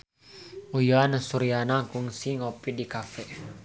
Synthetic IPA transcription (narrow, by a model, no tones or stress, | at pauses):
ujanasuɾianaŋkuŋsiŋɔpidikafɛ